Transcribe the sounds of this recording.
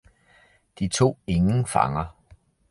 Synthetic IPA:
d̥it͡sʰo̝̰ːe̝ŋn̩fɑ̈ŋɐ

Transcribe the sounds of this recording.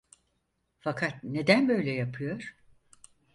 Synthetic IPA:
fakʰat̪̚ne̞d̪ænbø̞jlʲɛjapʰɯjo̞ɾ̥

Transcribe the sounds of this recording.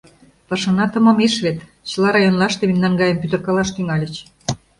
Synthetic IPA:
pɤ̆ʃɤ̆nɑt̪ɤ̆mɤ̆miʃβet̪ | t͡ɕə̆lɑɾɑjonlˠɑʃt̪eminːɑnɡɑjə̆mpyt̪ə̆rkɑlɑʃt̪yŋɑlʲə̆t͡ɕ

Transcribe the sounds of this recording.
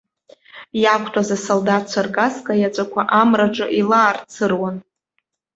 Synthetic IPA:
jakʷʰtʰʼazasoldat̚ʰt͡ʃʷʰarkʼaskʼajat͡ʃʷʼakʷʰaʔamraʈ͡ʂʼɨʔilaːrt͡sʰɨrwan

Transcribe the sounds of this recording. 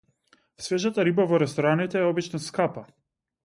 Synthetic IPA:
svɛʒat̪aɾibavɔɾɛst̪ɔɾanit̪ɛːɔbit͡ʃnaskapa

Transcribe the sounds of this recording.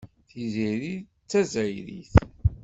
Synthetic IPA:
θiziɾi | t͡sːæzæjɾḭθ

